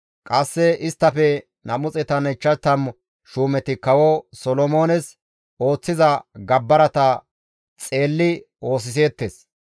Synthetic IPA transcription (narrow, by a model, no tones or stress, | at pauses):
kʼɐsːɛɪst̪ːɐfɛ | nɐmʊt͡sʼɛt̪ɐnɛt͡ʃːɐt̪ːɐm | ʃuːmɛt̪ɪkɐwɔsɔlɔmo̞ːnɛs | o̞ːt͡sːɪzɐɡɐbːɐɾɐt̪ɐ | t͡sʼe̞ːlːɪ | o̞ːs̬ɪs̬e̞ːt̪ːes